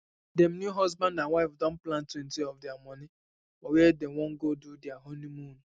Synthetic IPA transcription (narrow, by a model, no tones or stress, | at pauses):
dem̩njuɦɔzbãndãwaɪfdɔ̃n̩plãntwen̩tiɔfdɪamɔnɪ | ɔwedewɔ̃ŋ̩ɡodudɪaɦonimũn